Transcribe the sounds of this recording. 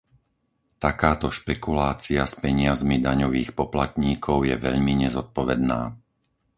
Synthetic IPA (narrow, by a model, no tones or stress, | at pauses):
t̪akaːt̪ɔʃpɛkulaːt͡siaspɛɲɪazmid̪aɲɔʋiːxpɔplat̪ɲiːkʰɔʊjɛʋɛ̰ʎmiɲɛzɔt̪̚pɔʋɛd̪na̰ː